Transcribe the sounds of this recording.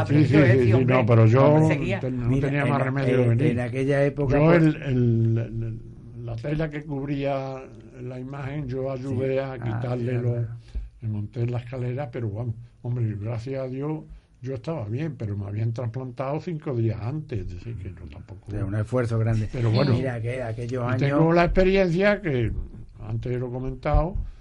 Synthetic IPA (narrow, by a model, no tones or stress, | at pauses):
sisis̬isinopeɾoʝot̪enot̪e̞niamaremeðjoβeninakeʎaepokd͡ʒoelel | at̪e̞lake̞kuβɾia | laimahẽ̞ŋd͡ʒo̞aʝuðe̞akit̪aɾlleloeŋõnt̪elahkale̞ɾahpe̞ɾoɣwamoombɾeɣɾaθjasaðjo̞h | ɟ͡ʝo̞eht̪aβaβje̞mpe̞ɾomea̰β̞iant̪ɾamplant̪awθiŋko̞ðiasant̪eðeθikeʎot̪ampo̞koeunefweɾθoɣɾand̪epeɾoβwenõiɾkeakeʎosaiɲeŋɡolaehpe̞ɾje̞n̟θjake̞ | a̰nt̪elo̞ko̞mẽnt̪ao